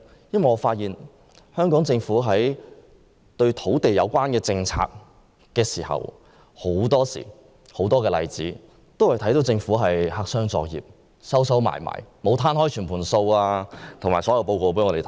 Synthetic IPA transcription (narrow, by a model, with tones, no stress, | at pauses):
jɐ˥nwɐ˨jŋɔː˨˧faː˧t̚jiː˨n | hœː˥ŋkɔː˨˥ŋt͡sɪ˧ŋfuː˨˥ɦɐ˨˥j | t̪ɵ˧ɥt̪ʰo˨˥wt̪e˨jɐ˨˧wkʷwaː˥nkɛː˧t͡sɪ˧ŋt͡sʰa̰ː˧k̚ | kːɛː˧siː˨˩hɐ̰˨˩w | ho˨˥wt̪ɔː˥sḭː˨˩ | ho˨˥wt̪ɔː˥kɛː˧lɐ̰˧jt͡siː˨˥ | t̪o˥whɐ˨jt̪ʰɐ˨˥jt̪o˨˥wt͡sɪ˧ŋfuː˨˥ɦɐ˨jhaː˧ksœː˥ŋt͡sɔ̰ː˨˧k̚jḭː˨p̚ | sɐ˥wsɐ˨˥wma̰ː˨˩jma̰ː˨˩jmo˨˧wt̪ʰaː˥nhɔː˥jt͡ʃʰyː˨˩npʰuː˨˩nso˧waː˧t̪ʰo˨ŋmaː˨˩jsɔː˨˥jɐ˨˧wpo˧wko˧wpe˨˥ŋɔː˨˧e˨t̪ʰ